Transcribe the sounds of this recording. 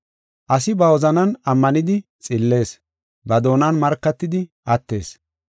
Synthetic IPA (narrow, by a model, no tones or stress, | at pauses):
ʔɐsɪbɐwɔzɐnɐnɐmːɐnɪd̪ɪt͡sʼɪlːe̞ːs | bɐd̪o̞ːnɐnmɐɾkːɐt̪ːɪd̪ɪʔɐt̪ːe̞̰ːs